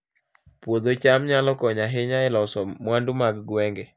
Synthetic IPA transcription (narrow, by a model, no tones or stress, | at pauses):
pwod̪ot͡ʃamɲalɔkɔɲaɦɪɲaɪlɔsɔmwandʊmaɡɡwɛŋɡɛ